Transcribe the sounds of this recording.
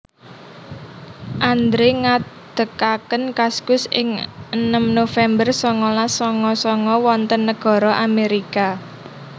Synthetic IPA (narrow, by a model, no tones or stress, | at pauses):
ʔand̪ɾeŋad̪̥ə̤kakənkaskʊsɪ̰ŋənəmnofɛmbərsɔŋɔlasɔŋɔsɔŋɔwɔnt̪ənːəɡ̥ɔ̤ɾɔʔameɾika